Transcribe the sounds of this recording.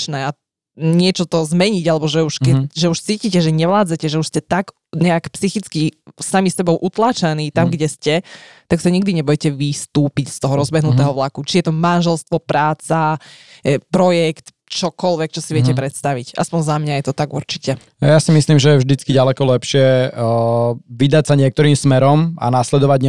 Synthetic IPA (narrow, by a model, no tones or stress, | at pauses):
nɛːa | ɲɪɛt͡ʃɔt̪ɔzmɛɲiɟalɛbɔʒɛuʃkkɛʒɛuʃt͡siːcicɛʒɛɲɛʋlaːd͡zacɛʒɛuʃscɛt̪aɡ | ɲɛakpsixit͡skisamisɛbɔʊʔut̪laːt͡ʃaniːt̪amɡɟɛscɛt̪aksaɲiɡd̪iɲɛbɔjɛcɛʋist̪uːpicst̪ɔɦɔɾɔzbɛɦnut̪ɛːɦɔʋlakut͡ʃijɛt̪ɔmanʒɛlst̪ʋɔpɾaːt͡sa | pɾɔjɛkt̪ | t͡ʃɔkɔlʋɛk̚t͡ʃɔsiʋɪɛcɛpɾɛt̪st̪aʋicʔa̰spɔɲzamɲajɛt̪ɔt̪aɡṵɾt͡ʃicɛ | ajasimisliːmʒɛjɛvʒd̪it͡skiɟalɛkɔlɛpʃɪɛ | ʋid̪acsaɲɪɛk̚t̪ɔɾiːmsmɛɾɔma̰naslɛd̪ɔʋaɟɲ